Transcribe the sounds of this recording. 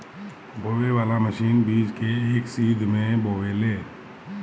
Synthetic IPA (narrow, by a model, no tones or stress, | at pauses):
boːʋeʋaːlaməʃiːnbiːd͡ʒkeeːksiːd̪ʱmẽboːʋeleː